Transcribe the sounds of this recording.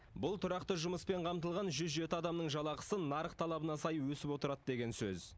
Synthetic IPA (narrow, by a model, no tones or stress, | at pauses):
bʊlˠt̪ʰʊɾɑqt̪əʒʊməspe̞ɴqʰɑmt̪əlˠʁɑnʒʏzʒe̞t̪ɪɑd̪ɑmnəɴʒɑlˠɑqə̥sənɑɾəqt̪ʰɑlˠɑbənɑsɑjəwɵsɪpwo̞t̪əɾɑd̪d̪e̞ɡʲe̞nsɵz